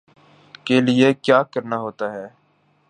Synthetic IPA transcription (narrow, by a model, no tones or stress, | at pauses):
kelɪekjaːkəɾnaɦoːt̪aːɦɛː